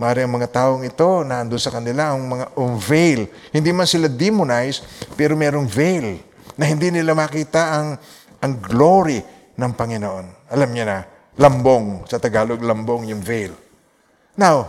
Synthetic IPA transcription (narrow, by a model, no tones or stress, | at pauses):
mɐʔaːɾɪɐŋmɐŋat̪aːʔoŋɪt̪o̞nɐʔɐnd̪onsɐkɐnɪlaʔɐŋmɐŋaʔʊŋvɛjl | hɪnd̪imansɪlad̪imʊnajspɛːɾomɛːɾoŋvɛjl | nɐhɪnd̪inɪlamakiːt̪aʔɐŋ | ʔɐŋɡloɾɪ | nɐŋpɐŋɪnoʔo̞nʔɐlamɲanɐ | lamboŋsɐt̪ɐɡaːloɡlamboŋjʊŋvɛjl | naw